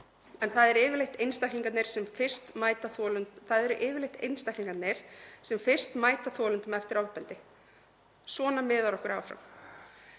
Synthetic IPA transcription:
ɛnθaðɛɾɪːvɪɾlejht̪ejnst̪ajkliŋkat̪nejɾ̥sɛmfɪ̥st̪maːjt̪aθɔlʏnθaðɛɾʏʔɪːvɪɾlejht̪ejnst̪ajhkliŋkat̪neɾ̥sɛmfɪr̥st̪maːjt̪aθɔlʏnt̪ʏmɛft̪ɪɾawpɛlt̪ɪ | sɔːnamɪðaɾɔhkʏɾaːwfɾa̰m

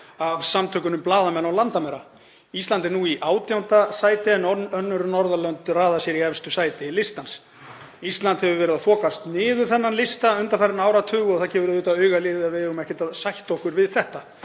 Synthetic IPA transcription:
avsamt̪ʰœːkʏnʏmplaːðamɛnːawlant̪amɛɾa | ist̪lant̪ɪɾnuiʔaːwt̪jawnt̪asaːjt̪ɪɛnɔœnːʏɾnɔɾðalœnt̪raːðasjɛɾiɛvst̪ʏsaːjt̪ɪlɪst̪lans | ist̪lant̪hɛvʏvɛːɾɪðafɔːkast̪nɪːðʏ̥θɛnːanlɪst̪aʏnt̪anfajɾɪnaːwɾat̪ʰʏːɣɔɣθacɛːvʏvɛɾɪðuːt̪aœːɥɣalɪːðɪavɪʏmɛhcɪt̪aðsajht̪ɔhkʏɾvɪðθɛht̪a

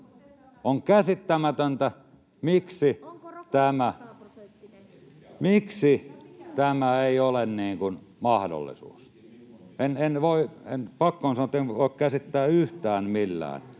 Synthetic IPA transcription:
oŋkæsit̪ːæmæt̪ønt̪æ | miksit̪æmæ | miksit̪æmæeˑiolenniːŋkun | mɑhdo̰lːḭsṵːs | enenʋoˑiḛnpɑkːonsɑnoet̪ːˑenʋoˑikkæsit̪ːæːyht̪æːnmilːæ̰ːn

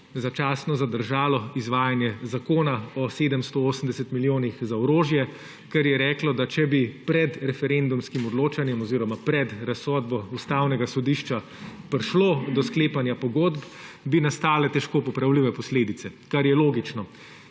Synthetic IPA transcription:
zat͡ʃaːsnɔzad̪əɾʒaːlɔizʋaːjanjɛzakoːnaɔseːd̪əmst̪ooːsəmd̪ɛsɛt̪miljoːnixzaɔɾoːʒjɛ | kɛɾjɛɾɛːklɔd̪at͡ʃɛbipɾɛd̪ɾɛfɛɾend̪umskimɔd̪loːt͡ʃanjɛmɔziːɾɔmapɾɛd̪ɾasɔd̪bɔust̪awnɛɡasɔd̪iːʃt͡ʃa | pɾʃloːd̪ɔskleːpanjapɔɡoːd̪b | binast̪aːlɛt̪ɛʃkoːpɔpɾawliʋɛpɔsleːd̪it̪sɛkaɾjɛloːɡit͡ʃnɔ

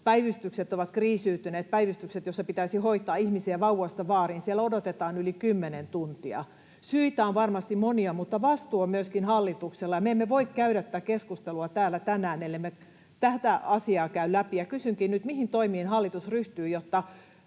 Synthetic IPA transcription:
pæiʋyst̪ykset̪ːoʋɑt̪kriːsyːt̪yneːt̪̚pæiʋyst̪ykset̪josːɑpit̪æisihoit̪ˑɑːihmisiæʋɑuwɑst̪ɑʋɑːrinsielodot̪et̪ɑːnylikymːenent̪unt̪iɑ̰ | syit̪æonʋɑrmɑst̪immoniɑmut̪ːɑʋɑst̪uomyøskinhɑlːit̪ukselːɑjɑmeemːeʋoikkæyɾæt̪ːækeskust̪eluɑt̪æːlːˑæt̪ænæːnelːemːe | t̪æht̪æɑsiɑːkæyllæpijɑkysyŋkinnyt̪mihint̪oimiːnhɑlːit̪usryht̪yːjot̪ːɑ

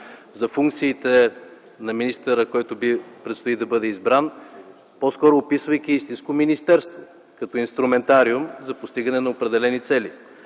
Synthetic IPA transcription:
zɐfuŋkt̪siːt̪ɛ | nɐminist̪ɛɾəkɔjt̪ʊbipɾɛt̪st̪oid̪ɐbɤd̪ɛizbɾan | poskɔɾopisvəjk̟iist̪ĩnskominist̪ɛɾst̪vo | kɐt̪ɔinst̪ɾumɛnt̪aɾiumzɐpost̪iɡənɛnɐopɾɛd̪ɛlɛnit̪sɛli

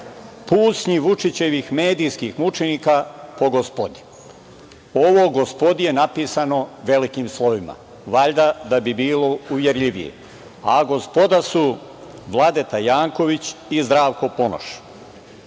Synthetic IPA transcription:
puːt̪sɲiʋut͡ʃit͡ɕe̞ʋixme̞ːd̪ijskixmut͡ʃeniːkapo̞ɡospod̪i̥ | oʋoɡospo̞d̪ije̞napiːsano̞ʋe̞likimslˠo̞ʋima̰ | ʋaʎd̪ad̪abibiːlo̞uʋjeɾʎiʋḭjḛ | aɡo̞spo̞d̪asu | ʋlˠad̪e̞t̪ajaːŋko̞ʋit͡ɕizd̪ɾaːʋko̞po̞no̰ʃi̥

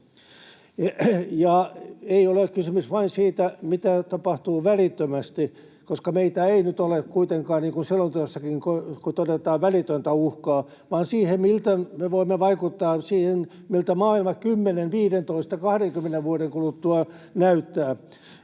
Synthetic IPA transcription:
jɑeiolekkysymysʋɑinsiːt̪æmit̪æt̪ɑpɑht̪uːʋælit̪ːømæst̪i | koskɑmeit̪æeinyt̪olekkuit̪eŋkɑːnniːŋkunsilːont̪oɑsːɑkiŋkokut̪odet̪ɑːʋʋælit̪ønt̪æuhkɑː | ʋɑːnsiːhemmilt̪æmeʋoimːeʋɑikut̪ːɑːsiːhen | milt̪æmɑːilmɑkymːenenʋiːɾent̪oist̪ɑkɑhɾeŋkymːeneʋʋuoɾeŋkulut̪ːuɑ | næyt̪ːæː

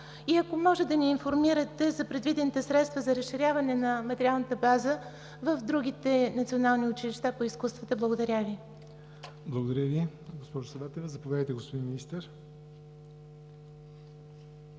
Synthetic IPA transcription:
iɐkomɔʒɛd̪ɐniːnfoɾmiɾət̪ɛzɐpɾɛd̪vid̪ɛnit̪ɛsɾɛt̪st̪vəzɐɾɐsʃːiɾʲavɐnɛnɐmɐt̪ɛɾialˠnət̪əbazə | vəvd̪ɾuɡ̟it̪ɛnəɐt̪sionalˠniʊt͡ʃiliʃt̪apoiskust̪vət̪əblˠəɡod̪ɐɾʲavi | blˠəɡod̪ɐɾʲəvi | ɡospɔʒʊsɐvat̪ɛvzɐpovʲjad̪əjt̪ɛɡospod̪inminist̪əɾ

